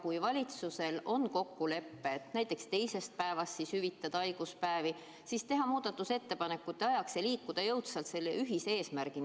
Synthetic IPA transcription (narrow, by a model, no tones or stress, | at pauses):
kujvɑlʲit̪suse̞lʔo̞nko̞kːule̞pːe̞t̪næjt̪ːˑe̞kst̪e̞jse̞st̪̚pæe̞vɑst̪sishyvit̪ːˑɑd̪̥ɑɑjɡ̥uspæevi | sist̪e̞ɦɑmuːd̪̥ɑt̪ːˑuse̞t̪ːe̞pɑne̞kːˑut̪ːeɑjɑkseliːkːud̪̥ɑjɤwt̪sɑlt̪se̞lːeʔyɦise̞ːsmæɾɡ̥in